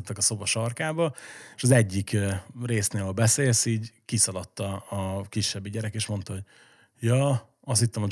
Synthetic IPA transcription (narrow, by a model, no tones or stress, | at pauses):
t̪ːɛkɒso̞bɒʃɒrkaːbɒeːʃɒzɛɟːikːreːsneːlbɛseːlsiːɟkisɒlɒt̪ːɒːkiʃːɛbːiɟɛɾɛkeːʃmo̞nt̪ɒɦoɟ | jɒː | ɒst̪hit̪ːɛmho